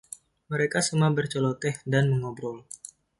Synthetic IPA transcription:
məɾekasəmabərt͡ʃolɔt̪ɛhdanməŋobɾɔl

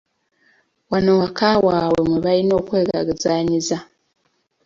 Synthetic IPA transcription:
wanowakawaːwemweβalino̞ːkwe̞ːɡa̰ɡizaːɲiza

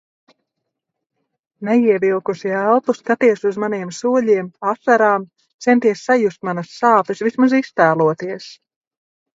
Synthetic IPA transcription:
nɛjiɛvilˠkusiælˠt̪uskat̪iɛsuzmaniɛmsuɔʎiɛmasaɾaːm | t̪sent̪iɛsːajust̪̚manɐsːaːp̪ɛsvismazist̪æːlˠuɔt̪iɛs

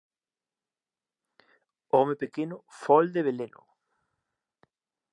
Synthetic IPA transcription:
ɔmepekenʊfɔld̪eβelenʊ̰

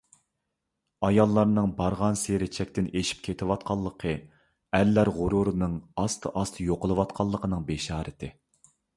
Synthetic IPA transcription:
ɑjɑlˠːɑɾnɨŋbɑɾʁɑnseɾɪt͡ʃʰɛk̚ʲt̪ɪneʃi̥p̚kʲʰet̪ʰɪwɑt̪̚qʰɑlˠːəqʰə | æɾlːæɾʁʊɾuɾɨnɨŋɑst̪ʰɨʔɑst̪ʰɨjoqəlˠɨwɑt̪qʰɑlˠːəqʰənɨŋbeʃɑːɾɨt̪ʰɪ

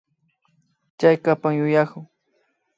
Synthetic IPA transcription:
t͡ʃajkapaŋjʊjakʊŋ

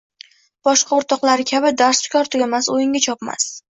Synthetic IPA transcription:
b̥ɒʃqʰɑoɾt̪ɒqlˠaɾɪkʲʰabɪd̪aɾsfɪ̥kʲɒɾt̪ʰʊɡʲamasojɪŋʲat͡ʃʰɒpma̰s

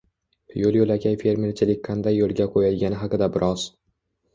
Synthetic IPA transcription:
jolˠjolakʲʰajfe̞ɾme̞ɾt͡ʃʰɪlɪkʲqʰɑnd̪ajːolˠɡʲaqʰojad̪ɡʲanɪɦɑqɨd̪abɪɾʔɒz̥

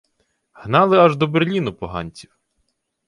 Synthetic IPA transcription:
hnɑlˠɪɐʒd̪ɔberlʲinʊpɔɦɑ̰nʲt͡sʲiw

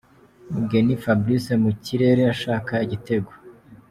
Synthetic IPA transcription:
muɡe̞nifabɾisemuciɾe̞ːɾeaʃaːkaiɟite̞ɡwo

